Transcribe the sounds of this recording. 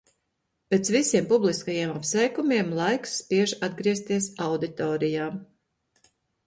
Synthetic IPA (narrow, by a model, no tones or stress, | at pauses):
pɛt̪svisʲiɛmpublˠiskajiɛmapsɛjkumʲiɛmlˠajksːpiɛʒad̪ɡɾiɛst̪iɛsawd̪it̪ɔːɾijaː